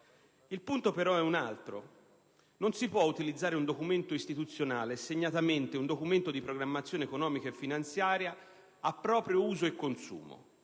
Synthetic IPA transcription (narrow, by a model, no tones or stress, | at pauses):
ilpunt̪opeɾɔɛunalt̪ɾo̰ | nonsipwɔut̪ilid̪zːaːɾeund̪okument̪oist̪it̪ut̪sːjonaːleseɲːat̪ament̪eund̪okument̪od̪ipɾoɡɾamːat̪sːjoːneːkonɔːmikaefːinant̪sjaːɾja | apːɾɔːpɾjouːzoekːonsṵːmo̰